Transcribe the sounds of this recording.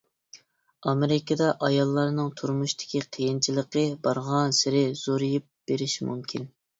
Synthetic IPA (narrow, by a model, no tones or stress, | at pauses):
ɑmeɾɪkʰʲɑd̪ɑʔɑjɑlˠːɑɾnɨŋt̪ʰuɾmuʃt̪ʰɪ̥kʲʰiqʰəjint͡ʃʰilˠəqəbɑɾʁɑnsɪɾɪz̥oɾijip̚b̥eɾɪʃmṵmkʲʰin